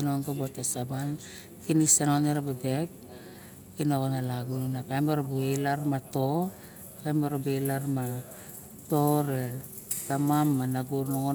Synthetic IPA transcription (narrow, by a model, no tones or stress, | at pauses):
nonkobotasaban | kinisenoneɾabadek̚ | kinokonalaɡunakajmaɾobuelaɾmato | kajmoɾobelaɾma | toɾe | tamamːanaɡuɾnoŋo